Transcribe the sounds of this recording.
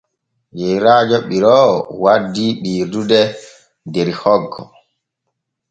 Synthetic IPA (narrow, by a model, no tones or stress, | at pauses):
jɛjɾaːd͡ʒɔɓiɾɔwadːiɓiːɾdudɛ | dɛɾihɔɡːɔ̰